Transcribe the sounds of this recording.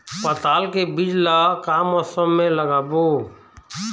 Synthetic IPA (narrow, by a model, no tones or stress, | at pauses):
spət̪aːlkebid͡ʒlakaːmɔsəmːẽləɡaːbo